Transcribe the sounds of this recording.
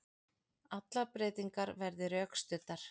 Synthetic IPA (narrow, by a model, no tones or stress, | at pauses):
at̪lapɾeːjt̪iŋkaɾvɛɾðɪɾœːkst̪ʏt̪ːaɾ̥